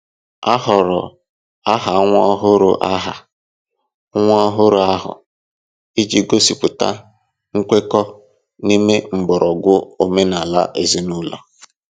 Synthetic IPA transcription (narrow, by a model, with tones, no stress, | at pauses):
a˦ɦɔ˨ɾʊ̰˨ | a˦ɦa˨˦ŋʷɔ˦ɔ˦ɦʊ˦ɾʊ̰˨ʔa˦ɦa˨˦ | ŋʷɔ˦ɔ˦ɦʊ˦ɾʊ˨a˦ɦʊ̰˨ | i˦d͡ʒi˦ɡo˦si˨pʊ˨ta̰˦ | ŋ̩˦kʷe˦kɔ˦ | ni˦me˦m̩˨bʊ˨ɾʔɔ˨ɡʊ˦o˨me˦na˨la̰˦ʔe˨zi˦nu˦la̰˨